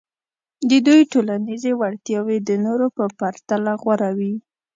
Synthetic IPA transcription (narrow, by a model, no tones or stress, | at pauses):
d̪əd̪ujʈolanizewaɽt̪jɑwed̪ənoɾopəpaɾt̪alaɣwaɾawi